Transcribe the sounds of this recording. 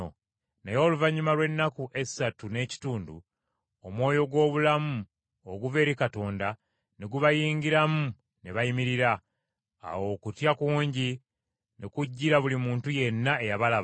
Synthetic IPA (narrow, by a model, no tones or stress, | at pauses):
nejo̞ːluvaɲːumalwe̞nːakuʔe̞satune̞ːci̥tuːndṵ | o̞mwo̞ːjo̞ɡwo̞ːβulamu | oɡuve̞ːɾikato̞ːnda | neɡuβajiːŋɡiɾamu | ne̞βajimiɾiɾa̰ː | wo̞ːkutjakuːɲɟi | nʔekuɟːiɾaβulimuːntuje̞nːae̞jaβalaβ